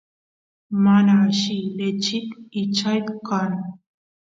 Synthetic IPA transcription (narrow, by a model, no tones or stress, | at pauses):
manaʃilet͡ʃit̪it͡ʃʰajt̪kan